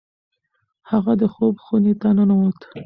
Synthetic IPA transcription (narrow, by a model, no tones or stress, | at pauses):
haɣad̪əxobxonet̪ananawot̪